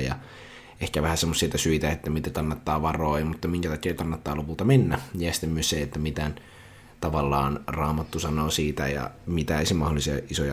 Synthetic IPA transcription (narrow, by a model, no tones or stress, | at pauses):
jɑ̰ | ehkæʋæhæsemːosːiet̪ɑsyit̪æet̪ːæmit̪eæk̪ɑnːɑt̪ːɑːʋɑroːjɑmut̪ːɑmiŋkæt̪ɑkiɑk̪ɑnːɑt̪ːɑːlopult̪ɑmenːæjɑsi̥t̪ːemːyøsseet̪ːæmit̪æn | t̪ɑʋɑlːɑːnrɑːmɑt̪ːusɑnoːsiːt̪æ̰jɑ̰mit̪æeisimɑholːˑisiɑʔisojɑ